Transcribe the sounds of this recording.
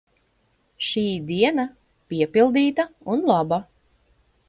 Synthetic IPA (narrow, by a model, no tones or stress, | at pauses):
ʃiːd̪iɛna | piɛpilˠd̪iːt̪aunlˠaba